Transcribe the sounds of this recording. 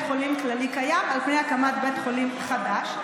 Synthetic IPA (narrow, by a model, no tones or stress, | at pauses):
tχolimklalikajamalpneakamat̪betχolimχad̪aʃ